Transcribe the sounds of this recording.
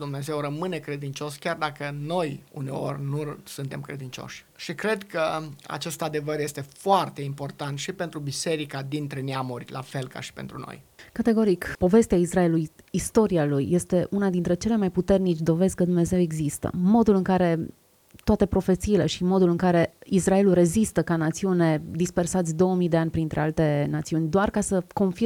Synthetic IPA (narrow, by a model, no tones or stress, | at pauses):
d̪umne̞ze̞wrəmɨne̞kɾe̞d̪int͡ʃo̞skʲjard̪akəno̞jṵne̞̰o̞rʲnusunt̪e̞mkɾe̞d̪int͡ʃo̞̰ʃʲ | ʃikɾe̞d̪kəa̰t͡ʃe̞st̪ad̪e̞vəɾje̞st̪e̞foart̪e̞impo̞rt̪ant̪ʃipe̞nt̪ɾubise̞ɾikad̪int̪ɾe̞neamurʲla̰fe̞lka̰ʃi̥pe̞nt̪ɾuno̰jkat̪e̞ɡo̞ɾikpo̞ve̞st̪eaisraelujist̪o̞ɾialujːe̞st̪e̞ʔunad̪int̪ɾe̞t͡ʃe̞le̞majput̪e̞rnit͡ʃʲd̪o̞ve̞skəd̪umne̞ze̞we̞ɡzist̪ə̰mo̞d̪ulɨŋkaɾe̞ | t̪oat̪e̞pɾo̞fe̞t̪siːlḛʃimo̞d̪ulɨŋkaɾe̞israe̞lure̞zist̪əkanat̪siune̞d̪ispe̞rsat̪sʲd̪o̞wəmijd̪e̞anʲpɾint̪ɾe̞̰alt̪e̞nat̪siunʲd̪oarkasəko̞nfi